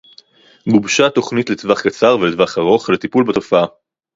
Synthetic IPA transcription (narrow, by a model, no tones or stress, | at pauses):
ɡubʃat̪o̞χnit̪letvaχkat͡saʁvelet̪vaχaʁo̞χlet̪ipulbato̞faa